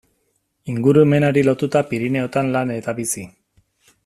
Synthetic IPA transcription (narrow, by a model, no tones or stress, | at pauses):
iŋɡuɾueme̞naɾilo̞t̪ut̪apiɾine̞o̞t̪anlane̞t̪aβisi